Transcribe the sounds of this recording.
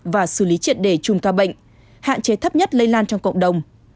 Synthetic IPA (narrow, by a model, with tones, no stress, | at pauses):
vaː˨˩sɨ˧˩li˨˦t͡ɕḭ˧˨ənɗe˧˩t͡ɕʊ˨˩ŋ͡mkaː˧ɓə̰˧˨jŋ̟ | ha̰ː˧˨nt͡ɕe˨˦t̪ʰə˦˥p̚ɲə˦˥t̚lə˧jlaː˧nt͡ɕɔ˧wŋ͡mkə̰˧˨wŋ͡mɗə˨˩wŋ͡m